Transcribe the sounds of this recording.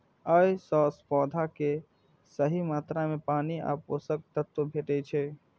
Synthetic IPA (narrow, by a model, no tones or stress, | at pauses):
əjsɔːspɔːd̪ʱake | səɦimaːt̪ɾamẽpaːnia̰ːpoːsək̚t̪ət̪ːobʱeːʈet͡ʃʰɛ